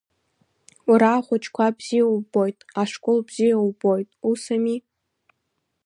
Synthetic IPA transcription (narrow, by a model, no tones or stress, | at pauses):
uɾaːχʷʊt͡ʃʰʼkʷʰabz̥ijawubojtʼaʂkʷʼʊlbzijawbo̞jtʼusami